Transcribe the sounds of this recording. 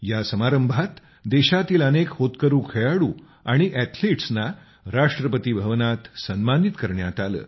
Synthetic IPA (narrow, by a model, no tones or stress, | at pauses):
jasəmaɾəmbʱat̪ | d̪eɕat̪iːlənekhot̪kəɾuːkʰeɭaɽuː | aɽ̃iʔæt̪ʰliʈsna | ɾaʂʈɾəpət̪iːbʱəʋnat̪sənmanit̪kəɾɳjat̪alə̰ː